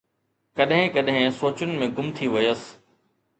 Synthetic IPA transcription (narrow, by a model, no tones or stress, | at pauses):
kɐɗɦɪ̃kɐɗɦɪ̃soːt͡ɕʊnɪ̆mẽɡʊmt̪ʰiʋɐjəs